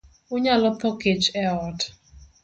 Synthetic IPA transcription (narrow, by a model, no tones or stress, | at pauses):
ʊɲalɔpʰaked͡ʒɛɔt